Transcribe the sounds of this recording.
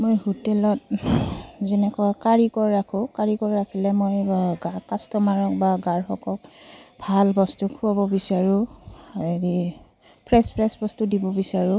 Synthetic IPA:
mojhutɛlɔt̚ | zɛnɛkɔakaɹikɔɹɹakʰʊ̃kaɹikɔɹɹakʰilɛmojɡakastɔmaɹɔk̚baɡaɹxɔkɔkbʱalbɔstukʰʊabɔbisaɹʊ̃aeɹi | pʰɹɛspʰɹɛsbɔstudibɔbisaɹʊ̃

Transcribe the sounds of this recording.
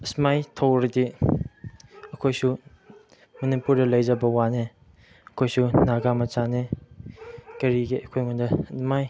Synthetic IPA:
smajtʰowɾidi | ɐkʰojsu | mɐnipuɾdɐlɐjzɐbɐwane | ɐkʰojsunaɡamɐt͡ʃane | kɐɾiɡeʔɐkʰojŋundɐmaj

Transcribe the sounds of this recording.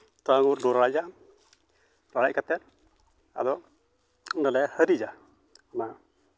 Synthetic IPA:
t̪aŋuɾdɔɾaɾad͡ʒa | ɾaɽac̚kat̪ɛn | a̰d̪ɔʔ | ndalɛhəɾid͡ʒa | ana

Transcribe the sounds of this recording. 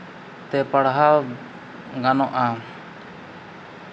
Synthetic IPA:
t̪ɛpəɽɦa | ɡanɔʔa

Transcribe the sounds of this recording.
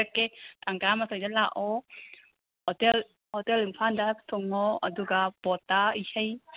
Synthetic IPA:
kːetaŋɡamasɔjdalaʔɔ | hɔtel | hɔtelimpʰandatʰɔŋɔɐduɡab̥ɔtaihəj

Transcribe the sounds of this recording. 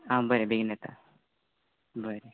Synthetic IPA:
ɦãbəɾebʱeɡnɛt̪a | bəɾe

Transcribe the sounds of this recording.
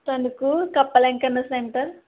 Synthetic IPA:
tɐnukukɐpːɐleŋkɐnːɐsneɳʈɐɾ

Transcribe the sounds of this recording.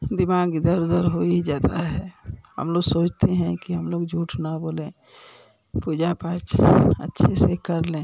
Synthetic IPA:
d̪ɪmaːɡd̪əɾʊd̪əɾɦoid͡ʒaːt̪aɦɛhə̰mloːɡsoːt͡ʃʰt̪eɦɛ̃kiɦəmloːɡd͡ʒʱuːʈʰnaboːlẽː | puːd͡ʒapəɾt͡ʃə̰tːʃʰesekəɾlẽː

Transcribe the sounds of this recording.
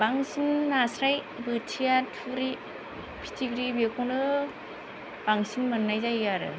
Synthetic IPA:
baŋsinːasɾaj | bɯtʰijatʰɯɾi | pʰi̥tʰiɡɾibekʰɔŋdɯ | b̥aŋsinmɯnːajzajaɾɯ̰

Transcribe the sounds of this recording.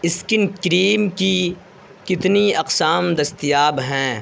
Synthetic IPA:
ɪskɪnkɾiːmki | kɪt̪niɐqsaːmd̪ɐst̪ijaːbɦɛ̃ː

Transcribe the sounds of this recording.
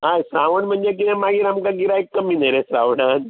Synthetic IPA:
ajsaʋəɳm̤əɳd͡zek̬it̪ẽmaɡiːɾamkaɡiɾaekːəmiːnəɾesaʋɽan

